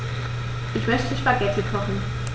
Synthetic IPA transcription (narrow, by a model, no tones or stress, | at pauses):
ʔɪçmœçtʰəʃpaɡɛtʰəkʰɔχn̩